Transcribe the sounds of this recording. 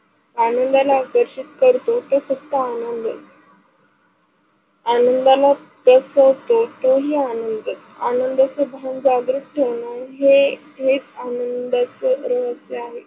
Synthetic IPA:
anənd̪alaːkəɾɕit̪kəɾt̪ot̪osəkt̪əanənd̪ə̰ | anənd̪ala | p̪əsəʋt̪ot̪oɦiːanənd̪ə | anənd̪at͡sebʱand͡zaɡɾuʈʈ̪ʰeʋɳaɦe | ɦet͡sanənd̪at͡səɾəʋəseaɦe

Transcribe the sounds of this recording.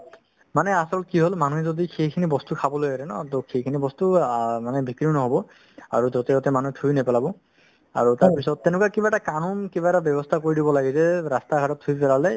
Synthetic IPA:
manɛasɔlɔt̚kiɦolmanuɦɛzodixejkʰinibɔstukʰabɔlojaɾɛnɔtɔxejkʰinibɔstumanɛbʱikɹinɔɦɔbɔ | a̰ɹuzɔtɛɔtɛmanuɛtʰujnɛpɛlabɔ | a̰ɹutaɹpisɔtːɛnʊkakibaɛtakanunkibaɛtabjɔbɔstʰakoɹidibɔlaɡizɛɹastakʰaɾɔtʰːujpɛlalɛ

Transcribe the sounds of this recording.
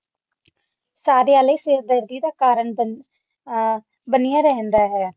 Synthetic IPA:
saːɾeːaleːsɪɾd̪əɾd̪iːd̪aːkaːɾəɳ | bənijãːɾɛɦɛ̃nd̪aːɦɛː

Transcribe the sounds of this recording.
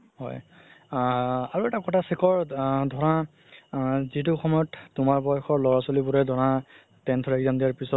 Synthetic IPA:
hɔ̰j | aɹuɛtakɔtʰasɛkʰɔɹdʱɔɹa | zitʊxɔmɔjɔttʊmaɹbɔjxʰɔɹlɔɹasolibʊɹɛdʱɔɹã | tɛntʰɔɹɛɡzamdiaɹpisɔt

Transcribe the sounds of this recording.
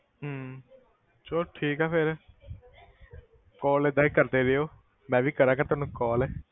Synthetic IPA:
ɦ | t͡ʃoːʈʰiːkɛːpʰɪɾ | kɔːleːd̪aːikəɾd̪eːɾejoː | mɛ̃ːʋiːkəɾaːkat̪ʊaːnũːkɔːlɛː

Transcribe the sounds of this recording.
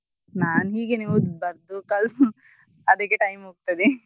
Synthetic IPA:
naːnɦiːɡeniːʋubɐɾd̪ukɐl | ɐd̪ɐkːeʈɐjmɦoːɡ̚t̪ɐd̪i

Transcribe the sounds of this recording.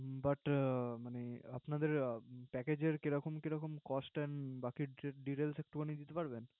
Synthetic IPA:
baʈmaneapnad̪eɾpɛked͡ʑeɾkeɾɔkomkeɾɔkomkɔsʈɛnbakiɖiʈelsek̚ʈubanid̪it̪epaɾben

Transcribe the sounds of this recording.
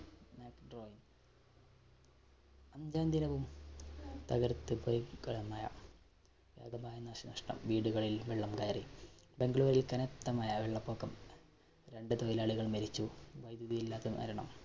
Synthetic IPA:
maːkɖroːjin | ɐmd͡ʑaːnd̪inɐʋum | t̪ɐɣɐɾt̪ːɨpojkɐɭɐmaːjɐ̰ | ʋja̰ːɡɐmaːjɐnːaːʂinɐʂʈɐ̰mʋiːɽuɣɐɭilʋeɭːɐmkɐjɐribe̞ŋɡɭoːɾilkɐnet̪ːɐmaːjɐʋeɭːɐpːo̞ːkːɐm | ɾe̞ɳɖɨt̪ojilaːɭiɣɐɭmɐɾit͡ɕːuʋɐjd̪uðijilːaːt̪ːeʋɐ̰ɾɐɳɐ̰m

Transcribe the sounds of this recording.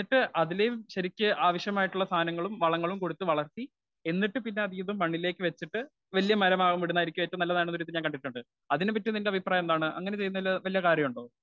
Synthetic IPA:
iʈːɨʔɐðilejumɕɐɾikʲːɨʔaːʋɐɕjɐmaːjiʈːuɭːɐst̪ʰaːnɐŋːɐɭumʋɐɭɐŋːɐɭumko̞ɽut̪ːɨʋɐɭɐrt̪i | e̞nːiʈːɨpinːe̞ɐðijɐðumpɐɳːile̞ːkːɨʋet͡ɕːiʈːɨ | ʋɐlijɐmɐɾɐmaːɣumʋiɽunːaːjiɾikʲːumʋɐtːɐnɐlːɐnaːjɳnuɾit̪iɲaːnkɐɳɖiʈːuɳɖɨ | ɐðinepːɐtːɨnindeɐbʱipraːjɐend̪aːɳɨʔɐ̰ŋːɐne̞t͡ɕe̞junːɐʋilːɐʋɐlijɐkaːɾjɐmuɳɖo̞ː

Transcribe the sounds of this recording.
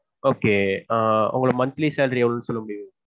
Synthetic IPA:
oːkeː | ʊ̰ŋɡɐɭɯmɐnt̪liseːlɾieʋlnːɯsɔlːɐmʊɽɪjɯ̃

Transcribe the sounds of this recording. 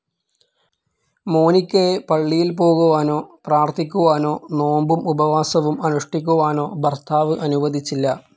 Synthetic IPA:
mo̞ːnikʲːɐjepɐɭːijilpo̞ːɣuʋaːno̞ːpraːrt̪ʰikʲːuʋaːno̞ːno̞ːmbumubɐʋaːsɐʋumɐnuʂʈikʲːuʋaːno̞ːbʱɐrt̪ʰaːʋɨʔɐnuʋɐd̪ʱit͡ɕːilːɐ

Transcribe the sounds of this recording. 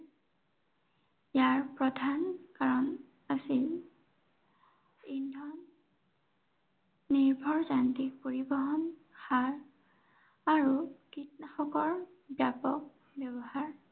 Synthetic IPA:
jaɹpɹɔdʱankaɹɔn | asil | indʱɔn | iɹbʱɔɹzantik̚poɹibɔɦɔnxaɹ | aɹukitnaxɔkɔɹ | bjapɔk̚ | bjɛbɔɦaɹ

